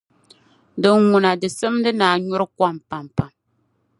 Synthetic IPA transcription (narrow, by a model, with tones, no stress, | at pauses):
dɨ˨ŋŋʊ˨na˨dɨ˨sɨ˦mdɨ˦naː˨ɲʊ˦ɾɨ˦kʷa˦mpa˨mpa˨m